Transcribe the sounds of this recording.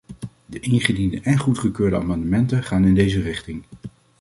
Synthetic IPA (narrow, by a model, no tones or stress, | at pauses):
dəʔɪnχədindəʔɛnχutχəkøːɹdəa̰ːmɑndəmɛntəχaːnɪndejzərɪχtɪŋ